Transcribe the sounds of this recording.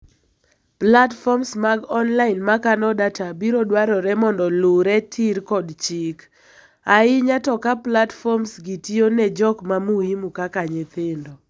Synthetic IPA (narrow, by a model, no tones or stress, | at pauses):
platfɔmsmaɡɔnlaɪnmakanɔdatabiɾodwaɾɔɾɛmɔndɔlʊɾɛtʰiɾkɔdt͡ʃɪk | aɪɲatɔkaplatfɔmsɡitionɛd͡ʒɔkmamuimukakaɲet̪ɪndɔ